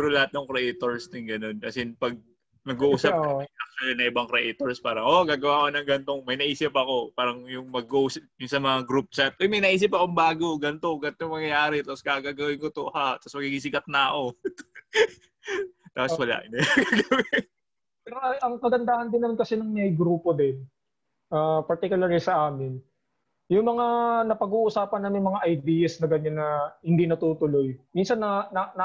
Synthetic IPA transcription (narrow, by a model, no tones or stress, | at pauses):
t̪uːɾolɐhat̪̚noŋkɾɛʔejt̪oɹst̪ɪŋɡɐno̞nkɐsɪnpɐɡ̚ | nɐɡuʔuːsɐp̚ɐɐk̚t͡ʃːlɪnɐŋʔɪbɐŋkɾɛʔejt̪oɹspaːɾɐŋʔoɡaːɡɐwaːko̞nɐŋɡɐnt̪o̞ŋmɐjnɐʔiːsɪpɐko̞paːɾɐŋjʊŋmɐɡuʔuːsɐjʊŋsɐmɐŋaɡɾup̚t͡ʃat̪̚ʔojmɐjnɐʔiːs̬ɪpɐkoŋbaːɡo̞ɡɐnt̪o̞ɡɐnt̪ojŋmɐŋjɐjaːɾɛt̪aposɡaːɡaːɡɐwɪnkot̪oʔhaʔt̪ɐsmɐɡiɡisɪkɐt̪̚nɐɐʔo̞ | t̪aːposwɐla̰ʔɪnɐjaɡaɡɐwɛ | pɛɾoʔɐʔɐŋkɐɡɐnd̪aːhɐnd̪ɪnːɐmankɐsɛnɐŋmɐjɡɾuːpo̞d̪ɛn | ʔapɐɹt̪ikjʊlɐɹlɪsɐʔaːmɪn | jʊŋmɐŋanɐpɐɡuːʔʊsaːpɐnːɐmɪŋmɐŋaʔɐjd̪iːjɐsnɐɡɐɲanːɐhɪnd̪inɐt̪uːt̪ʊlo̞jminsɐnːɐnɐn